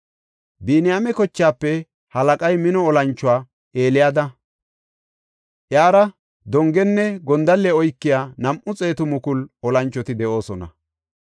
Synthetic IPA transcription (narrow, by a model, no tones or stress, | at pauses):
biːnɪjamɛkɔt͡ʃːaːpːɛ | hɐlɐkʼɐjmɪnɔɔlɐnt͡ʃːʊwaː | ʔeːlɪjad̪ɐ | ʔjaːɾɐ | d̪ɔŋɡɛnːɛɡɔnd̪ɐlːɛɔjkːɪjaːnɐmʔʊt͡sʼe̞ːt̪ʊmʊkʊlɔlɐnt͡ʃːɔt̪ɪd̪ɛʔo̞ːsɔnɐ̰